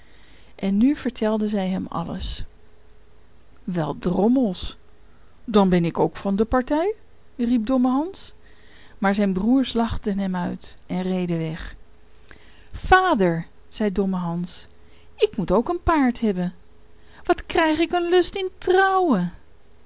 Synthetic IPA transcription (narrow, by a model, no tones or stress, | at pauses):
ʔɛnːyv̥əɹtʰɛlˠdəzɛjɦɛmɑ̰lə̰s | ʋɛlˠdrɔməlˠs | dɑnbɛnɪkowkfɑndəpɑɹtɛj | rip̚dɔməɦɑns | maːɹzɛjnbruːɹslɑχtənɦɛmœɥtɛnrejdəʋɛχ | faːdəɹ | z̥ɛjdɔməɦɑns | ɪkmutowkənpaːɹtɦɛbən | ʋɑtkrɛjχɪkənlɵstɪntrɔwə